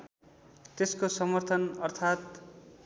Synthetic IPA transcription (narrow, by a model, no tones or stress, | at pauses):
t̪eskosʌmʌrt̪ʰʌnʌrt̪ʰat̪̚